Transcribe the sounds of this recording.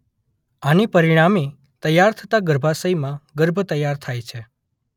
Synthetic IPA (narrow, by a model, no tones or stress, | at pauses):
anipəɾiɽ̃ami | t̪əjːaɾt̪ʰət̪aɡəɾbʱasəjmãɡəɾbʱət̪əjaɾt̪ʰajt͡ʃʰe